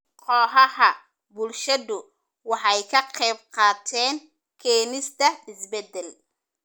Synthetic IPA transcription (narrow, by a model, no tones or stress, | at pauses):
qʰɔːɦɐhɐ | bʊlʃɐðʊ | wɑħɑjkʰɐqɛjb̚qɑːt̪ʰɛːŋ | kʰɛːnɪst̪ʰɐɪsbɛd̪ɛl